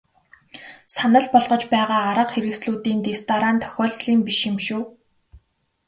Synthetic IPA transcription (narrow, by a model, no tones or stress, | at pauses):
sanə̆ɮpɔɮʁɞ̆t͡ɕpæːʁaːaɾə̆qxeɾɘ̆ksɮuːt̪iːnt̪est̪ʰaɾant̪ʰːœ̥xʲɔːɮɮiːmpiʃxɪmʃuː